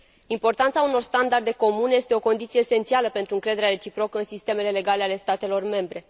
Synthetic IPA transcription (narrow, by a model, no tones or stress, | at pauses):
impo̞rt̪ant̪sauno̞rst̪and̪ard̪e̞ko̞muneje̞st̪e̞o̞ko̞nd̪it̪sijeːse̞nt̪sialəpe̞nt̪ɾuɨŋkɾe̞d̪e̞ɾeaɾe̞t͡ʃipɾo̞kəɨnsist̪e̞me̞le̞le̞ɡale̞ale̞st̪at̪e̞lo̞rme̞mbɾe̞